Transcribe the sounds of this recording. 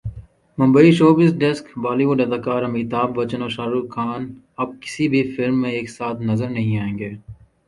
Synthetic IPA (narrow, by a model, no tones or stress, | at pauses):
mɐ̃mbəiʃoːbɪsɖɛskbaːliʋʊɖɐd̪aːkaːɾɐmkɪt̪aːbʋɐt͡ʃənoːʃaːɾuːkʰaːn | ɐb̚kɪ̥sibʱifɪlmːẽeːksaːt̪ʰnɐzəɾnɐɦĩaːẽːŋɡeː